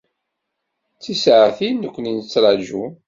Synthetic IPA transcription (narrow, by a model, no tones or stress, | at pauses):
t͡sːisʕaθinːəkʷːninət͡sːɾˤɑʒu